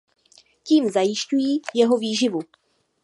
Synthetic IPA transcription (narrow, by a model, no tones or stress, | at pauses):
ciːmzajɪʃcujiːjɛɦo̞viːʒɪvu